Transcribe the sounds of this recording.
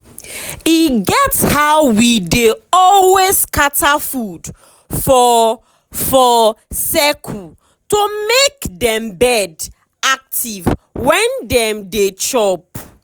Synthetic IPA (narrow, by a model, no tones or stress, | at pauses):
iɡɛtshaʊwideɔlweskatʰafud̥ | fɔ | fɔsɛkʰu | tomekdɛ̃mbɛd | ak̚tʰivwɛ̃ndɛ̃mdet͡ʃɔp